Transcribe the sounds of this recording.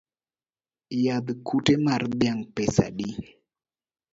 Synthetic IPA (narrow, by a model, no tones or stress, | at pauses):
jad̪kʰutemardjaŋpesa̰ɗi